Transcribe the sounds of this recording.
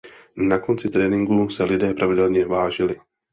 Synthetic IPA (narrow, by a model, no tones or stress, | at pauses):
nako̞nt͡sɪt̪ɾɛːnɪŋɡusɛlɪdɛːpɾʔavɪdɛlɲɛvaːʒɪlɪ